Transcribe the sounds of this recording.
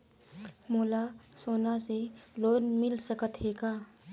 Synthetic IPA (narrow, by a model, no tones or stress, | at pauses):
moːlasoːnaseloːnmɪlsəkət̪ɦeːɡaː